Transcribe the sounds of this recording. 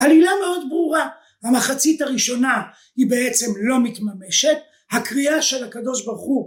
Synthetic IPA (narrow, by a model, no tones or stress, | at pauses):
alilame̞o̞d̪bʁuʁa | hamaχat͡sitaʁiʃo̞na | hibe̞et͡se̞mlo̞mit̪mame̞ʃe̞t̚ | hakʁiaʃe̞lakado̞ʃbaʁχu